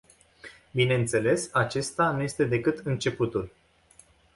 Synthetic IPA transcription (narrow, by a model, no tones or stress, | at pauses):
bine̞ɨnt̪se̞le̞sat͡ʃe̞st̪anuje̞st̪e̞d̪e̞kɨt̪ɨnt͡ʃe̞put̪ul